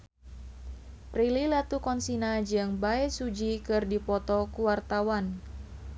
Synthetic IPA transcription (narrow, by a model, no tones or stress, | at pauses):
prililat̪ukɔnsinad͡ʒɨŋbaɛsud͡ʒikɨrdipɔt̪ɔkuwart̪awan